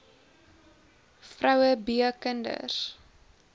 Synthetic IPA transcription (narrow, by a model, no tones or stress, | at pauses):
frɐwəbiəkəndə̰r